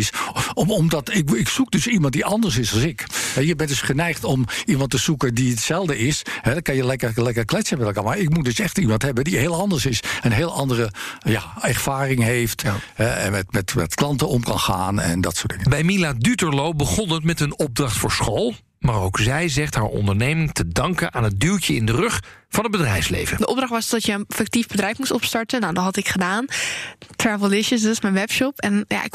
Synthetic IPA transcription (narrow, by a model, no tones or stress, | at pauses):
sɔmdɑtɪkɪksuk̚døsimɑnt̚diʔɑndəɹs̬ɪsɑlˠsɪkhɛjəbɛndøsχənɛjxtɔmimɑntəsukədiətsɛlˠdəɪshɛdkɑnjəlɛkəəlɛkərklɛtsəmɛtlˠkaːɹmaɹɪkmutdøsɛxtimɑntɦɛbədiɦeːlˠɑndəɹsɪsənɦeːəlˠɑndərəjaɛrfaːrɪŋɦeːftɦɛɛ̰mɛtmɛtmɛ̰tklɑntəɔmkɑnxa̰ːnɛ̰ndɑtsoːd̥ɪŋəbɛjmiladytəɹlowbəχɔnətmɛtənɔb̚drɑχtfʊːɹsχowlˠ | maːrowkzɛjzɛχtɦaːɹɔ̰ndəɹnejmɪŋtədɑŋkənʔaːnɦət̚dyltəɪndərɵχfɑnɦəd̚bədrɛjfslḛjvədəʔɔb̚drɑχtʋɑsdɔtjəənfɛk̚tivbədrɛjfmustɔpstɑɹtənːawdɔɦɑtɪkχədaːntrɛvl̩ˠɪʃəsdtɪsmɛnʋɛpʃɔpɛnja̰ɪk